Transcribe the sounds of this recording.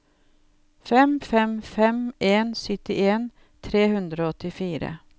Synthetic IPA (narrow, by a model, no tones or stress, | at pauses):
fɛmfɛmfɛmeːnsʏt̪ɪʔeːn | t̪ʰɾeːhʉnd̪ɾoːɔt̪ːɪfiːɾə̰